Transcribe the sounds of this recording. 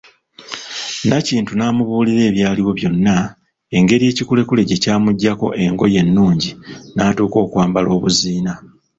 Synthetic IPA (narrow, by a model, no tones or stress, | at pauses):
naciːntunaːmuβuːliɾe̞ːβjaːliwo̞βjo̞nːa | e̞ŋɡe̞ɾije̞ːcikule̞kule̞ɟe̞caːmuɟːako̞̰ʔe̞ŋɡo̞je̞nːuːɲɟinaːtuːko̞ːkwaːmbalo̞ːβuziːna